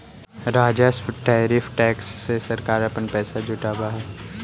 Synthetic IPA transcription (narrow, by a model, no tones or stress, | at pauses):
ɾaːd͡ʒasʈaːɾiːfʰʈɛːksːesɐɾkaːɾɐpənpɛːsad͡ʒʱʊʈaːbaɦɛː